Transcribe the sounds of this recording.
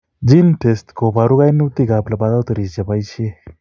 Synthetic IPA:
d͡ʒinʈʰestkʰobʱaɾuɡajniut̪iɡaplabad̪awt̪əɾisd͡ʒəpajt͡ʃʰie

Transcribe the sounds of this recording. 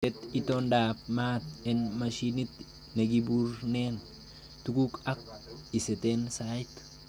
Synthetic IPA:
tet̪it̪ondaːpmaːt̪enmɐʃinit̪ | neɡibuɾnen | t̪ukukɐk̚iset̪ensat̪

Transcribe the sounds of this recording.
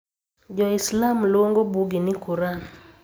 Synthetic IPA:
d͡ʒɔɪslamlwoŋɡobuɡinɪkuɾan

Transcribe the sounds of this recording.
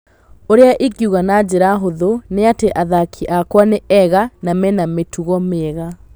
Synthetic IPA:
oɾeaʔikjuɣanad͡ʑeɾaɦoðoneateʔaðakʰiʔakwaneɛɣanamɛnametʰuɣɔmeɣa

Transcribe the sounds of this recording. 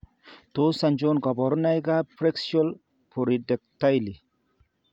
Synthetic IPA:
t̪osɐnd͡ʒonɡɔbɔɾnajɡapɾeksol | pʰoɾidek̚t̪ajli

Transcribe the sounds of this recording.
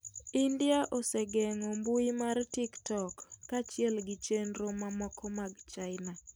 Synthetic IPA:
indiaʔɔseɡɛŋombuimartiktɔkːat͡ʃɪɛlɡɪt͡ʃenɾomamɔkɔmaɡt͡ʃaɪna

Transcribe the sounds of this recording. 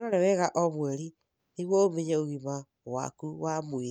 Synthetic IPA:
oɾeweɣaʔomweɾi | niɣwoomeɲeoɣima | wa̰kuwamwi

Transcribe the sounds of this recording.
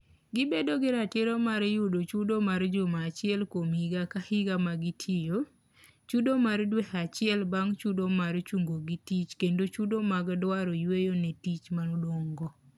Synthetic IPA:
ɡɪbedoɡɪɾateɾɔmaɾjudot͡ʃudomaɾd͡ʒomaːt͡ʃɪɛlkomiɡakahɪɡamaɡitʰɪjo | t͡ʃudomardwehat͡ʃɪɛlbaŋt͡ʃudomart͡ʃuŋɡoɡitit͡ʃkendot͡ʃudomaɡdwaɾojwejonɛtit͡ʃmanodwoŋɡɔ

